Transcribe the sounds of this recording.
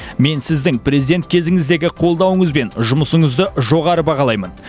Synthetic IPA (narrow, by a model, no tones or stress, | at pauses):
me̞nsɪzd̪ɪŋprʲezijd̪e̞nt̪̚kʲʰe̞zɪŋɪzd̪e̞ɡʲɪqʰo̞lˠd̪ɑwəɴəzbe̞nʒʊməsəɴəzd̪əʒo̞ʁɑɾəbɑʁɑlˠɑjmən